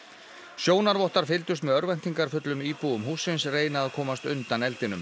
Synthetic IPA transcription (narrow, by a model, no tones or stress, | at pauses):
sjoːwnaɾvɔht̪aɾ̥fɪlt̪ʏst̪mɛðœɾvɛn̥t̪iŋkaɾfʏt̪lʏmiːpuʏmɦuːsːɪnsreːjnaːðkʰɔːmast̪ʏnt̪anɛlt̪ɪnʏm